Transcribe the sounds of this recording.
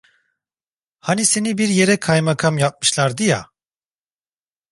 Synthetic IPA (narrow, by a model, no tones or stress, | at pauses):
hanise̞nibiɾjeɾɛkʰajmakʰamjap̚mɯʃlˠaɾd̪ɯja̰